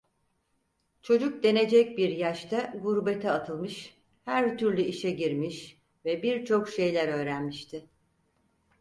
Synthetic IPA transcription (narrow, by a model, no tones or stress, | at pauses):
t͡ʃʰo̞d͡ʒuk̚d̪e̞ne̞d͡ʒɛc̚biɾjaʃt̪ʰaɡuɾbe̞t̪ʰɛat̪ʰɯlˠmɯʃ | hæɾt̪ʰyɾlʲyiʃɛɟiɾmiʃ | vɛbiɾt͡ʃʰo̞kʃe̞jlʲæɾø̞ːɾænmiʃt̪ʰɪ